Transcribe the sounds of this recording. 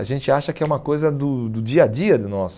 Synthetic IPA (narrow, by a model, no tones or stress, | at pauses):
aʒẽnt͡ʃɪaʃɐkɪɛũmɐkojzɐd̪ʊd̪ʊd͡ʒiɐd͡ʒiɐd̪ɪnɔsʊ̥